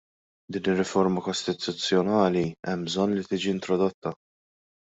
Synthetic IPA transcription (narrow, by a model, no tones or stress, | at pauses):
d̪iːnɪrːɪfɔɾmɐkɔst̪ɪt̪ʊt͡sːjɔnɐːliɛmbzɔnːlit̪iːd͡ʒiɪnt̪ɾɔd̪ɔt̪ːɐ